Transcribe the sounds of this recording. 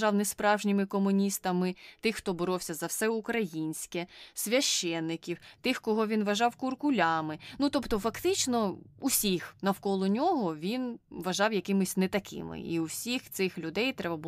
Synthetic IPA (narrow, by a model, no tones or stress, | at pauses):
ɑwnɛspɾɑwʒnʲimɪkɔmʊnʲist̪ɐmɪt̪ɪxxt̪ɔbɔɾɔwsʲɐzɐwsɛʊkɾɐjinʲsʲkɛsʲʋʲɐʃt͡ʃɛnːɪkʲiwt̪ɪxkɔɦɔʋʲinʋɐʒɑwkʊrkʊlʲɑmɪnut̪ɔpt̪ɔfɐkt̪ɪt͡ʃnɔusʲixnɐwkɔlˠɔnʲɔɦɔʋʲinʋɐʒɑwjɐkɪmɪsʲnɛt̪ɐkɪ̰mɪ̰ḭuwsʲixt̪sɪxlʲʊd̪ɛjt̪ɾɛbɐbu